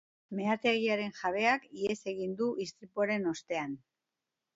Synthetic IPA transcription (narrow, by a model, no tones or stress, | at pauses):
me̞at̪eaɣiaɾe̞nʝaβ̞e̞akie̞se̞ɣ̞ind̪uʔist̪ɾipoaɾe̞no̞st̪e̞an